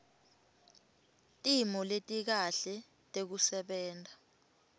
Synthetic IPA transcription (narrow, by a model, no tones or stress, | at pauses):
tʼimɔletʼik̬aɬɛ | tʼek̬usɛɓɛːntʼa